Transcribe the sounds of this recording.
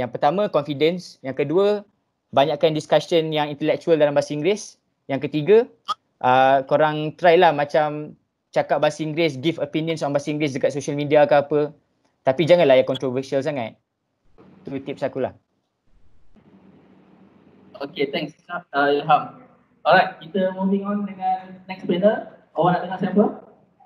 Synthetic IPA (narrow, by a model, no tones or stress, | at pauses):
jaŋpərt̪amãkɔnfidənsjaŋkəduə | baɲaʔkandiskasənjaŋint̪əlɛk̚t͡ʃuəldalambasiŋɡɾes | jaŋkət̪iɡa | ʔəkoɾaŋt̪ɾajlahmãt͡ʃam | t͡ʃakap̚basiŋɡɾɪs̬ɡifopinijə̃nsɔnbasiŋɡɾes̬dəkat̪soʃəlmidiakəapə | t̪apid͡ʒaŋãnlajaʔkɔnt̪ɾovəsials̬aŋat̪̚ | t̪ut̪ip̚sakulah | oket̪ɛ̃ŋksaaɦam | ɔɾaj̚kit̪əmuviŋɔndəŋãnːɛk̚splɛnə | owanaʔt̪əŋaʔsɛ̃mpə